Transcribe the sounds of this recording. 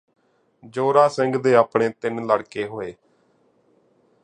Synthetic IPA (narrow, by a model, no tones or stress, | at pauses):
d͡ʒoːɾaːsɪŋɡd̪eːaːpɳeːt̪ɪnləɽkeːɦoːeː